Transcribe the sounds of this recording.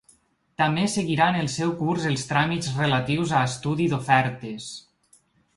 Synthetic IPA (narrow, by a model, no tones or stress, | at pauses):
t̪amesəɣiɾanelˠsɛwkurzəlˠst̪ɾamizrəlat̪iwzaest̪uðiðofɛɾt̪es